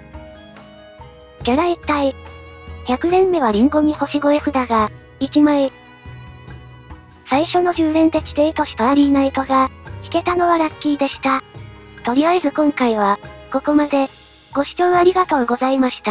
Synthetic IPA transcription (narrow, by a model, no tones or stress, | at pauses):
ɡʲaɾait̪ːai | çʲakɯ̟ɾẽ̞mːe̞β̞aɾʲĩŋɡo̞ɲ̟iho̞ɕiɡo̞eɸɯ̟d̪aɡa | it͡ɕimae | saiɕo̞no̞ʑɨːɾẽ̞nt̪e̞kʲid̪e̞ːt̪o̞ɕi̥t̪oaɾʲiːnait̪o̞ɡakʲi̥ke̞t̪ano̞βaɾakʲːiːd̪e̞ɕi̥t̪a | t̪o̞ɾʲiaezɨkõ̞ŋkaiβ̞ako̞ko̞mad̪e̞ | ɡ̥o̞ɕi̥t͡ɕoːaɾʲiɡat̪o̞ːɡo̞zaimaɕi̥t̪a